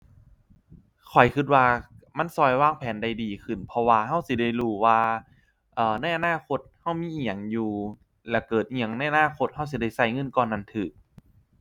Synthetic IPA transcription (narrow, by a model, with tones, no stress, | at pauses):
kʰɔ˨˩jkʰɯ˧t̪̚waː˧ | ma˧˥˨nsɔː˧˩jwaː˧˩˨ŋpʰɛː˨˦nda˧˩jdiː˨˩kʰɯ˧˩npʰɔ˧waː˧ha˧˩˨wsi˧˦da˧˩jluː˧˩waː˧ | ʔɤː˨˩na˧˥˩jʔa˧naː˧˥˨kʰo˧˥t̪̚ha˧˩wmiː˧˥˨ʔi˧˩ɲa˨˩˦ŋjuː˧ | lɛː˧˩kɤː˨˩t̪̚ʔi˧a˨˦ŋna˧˥˩jʔa˧naː˧˥˨kʰo˧t̪̚ha˧˩˨ws̬i˧˩da˧˩jsa˧˩jŋɤ˧˥˨nkɔː˧˩nːa˧˥˨nt̪ʰɯː˨˩k̚